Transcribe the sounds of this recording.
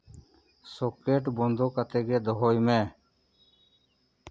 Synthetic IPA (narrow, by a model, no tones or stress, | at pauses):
soːkeːʈbõnd̪oːkət̪eːɡeːd̪əɦoːjmẽː